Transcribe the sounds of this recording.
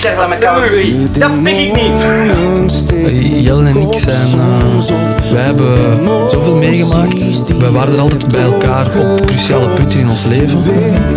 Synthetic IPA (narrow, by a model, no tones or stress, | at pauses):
sɛɣlamɛtai | dɑtɛkɪkni | jɛlənɛnɪksɛjn | ʋɛɦɛbən | z̥oːveːlˠmeːɣəmaːkt | ʋɛʋaːɾəndəɾɑlˠtɛːtbɛjɛlˠkaːrɔpkrysiaːləpʏntənɪnɔnsleːvən